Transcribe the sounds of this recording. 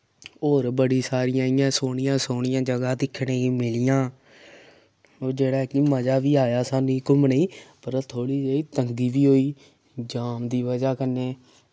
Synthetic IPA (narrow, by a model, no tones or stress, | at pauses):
oːɾbəɽiːsaːɾɪjãːɪjãːsoːɽɪjãːsoːɳ̃ɪjãːd͡ʒəɡãːd̪ɪkʰːɽẽːiːmɪlɪjãː | oːɾd͡ʒeːɽaːkiməd͡ʒaːʋiːaːjaːsaːniːkʊmniːpəɾt̪ʰoːɽiːd͡ʒeːiːt̪əŋɡiːʋiːɦoːiː | d͡ʒaːmd̪iːʋəd͡ʒaːkəneː